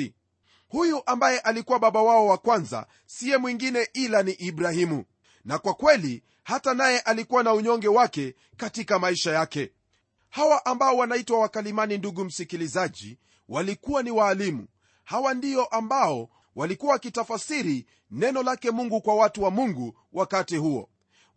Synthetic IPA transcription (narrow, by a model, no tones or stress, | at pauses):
hujuʔambajɛʔalikuwaɓaɓawaɔwakwanza̰ | siɛmwiŋɡinɛʔilaniʔiɓɾahimu | nakwakwɛli | hatanajɛʔalikuwanauɲɔŋɡɛwakɛ | katikamaiʃajakɛ | hawaʔambaɔwanaitwawakalimaninduɡum̩sikilizaʄḭ | walikuwaniwaːlimṵ | hawandiɔʔambaɔ | walikuwaakitafasiɾi | nɛnɔlakɛmuŋɡukwawatuwamuŋɡu | wʔakatihuɔ̰